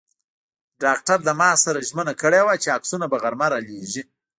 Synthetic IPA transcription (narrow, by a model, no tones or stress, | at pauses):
ɖɑk̚ʈaɾd̪əmɑsaɾaʒmənakəɽewat͡ʃeaksunabaɣaɾmaɾaleʒi